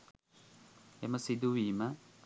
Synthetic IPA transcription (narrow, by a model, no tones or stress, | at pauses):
emɐsid̪uʋiːmɐ